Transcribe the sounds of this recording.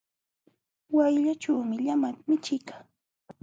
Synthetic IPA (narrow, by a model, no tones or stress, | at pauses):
wajʎat͡ʃawmɪʎamamɪt͡ʃɪkḁ